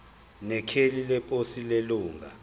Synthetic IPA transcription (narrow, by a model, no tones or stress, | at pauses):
nɛkʰelilɛpʼosileluːŋɡʱa